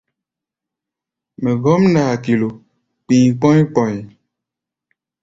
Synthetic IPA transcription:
me˨ɡɔ˦m˦na˨a˨ki˨lo˨ | k͡pĩ˨k͡pɔ̃˦e˦k͡pɔ˨ɲe˨

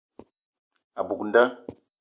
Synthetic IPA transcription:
a˨bu˨kn˦da˦

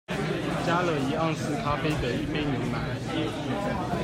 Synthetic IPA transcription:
t͡ɕja˥lə˥˩i˧˥ɑ˥˧ŋsɹ̩˥˩kʰa˥fe˥ɪd̪ə˨i˥˧me˥˩ɪnjʊ˧˥ŋma˨˩˦ | jɛ˥˧ | u˥˧˩

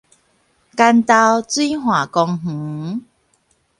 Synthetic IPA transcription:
ka˧nt̪a˧wt͡swi˦ɦwã˨˩kɔ˧ŋɦ̩˨˦

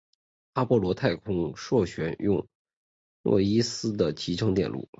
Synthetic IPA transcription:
a˥pwɔ˥˩lwɔ˧˥t̪ʰa˥˩ɪkʰʊ˥ŋʂwɔ˥˩ɕɥɛ˧˥njʊ˥˧ŋ | lwɔ̰˥˩i˥sɹ̩˥d̪ə˨t͡ɕʰi˧˥ʈ͡ʂʰɤ˧˥ŋt̪jɛ̰˥˧nlʔṵ˥˩

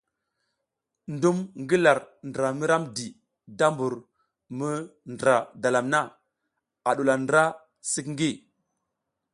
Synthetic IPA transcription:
ndu˦mŋɡi˦la˨ɾndɾa˨mi˦ɾa˦mdi˨ | da˦mbu˨ɾ | mə˦ndɾa˨da˨la˨mna˦ | a˨ɗu˨la˨ndɾa˦ | si˦kŋ˦ɡi˦

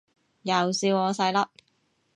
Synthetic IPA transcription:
jɐ˨˩wsiː˧wɔː˨˧sɐ˧jlɐ˥p̚

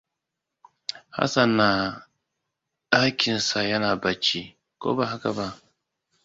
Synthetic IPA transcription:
ha̰˦sa˨nːa˨ | a˦kʲɪ˨nsa˨ja˦naː˨ba˨t͡ʃːi˦ | ko̰ː˦ba˦˨ha˦ka˨ba˦

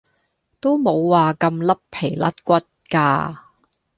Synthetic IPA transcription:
t̪o˥wmo˨˧wːaː˨kɐ˧mlɐ˥ppʰe˨˩jlɐ˥t̚kʷɐ˥t̚kaː˧

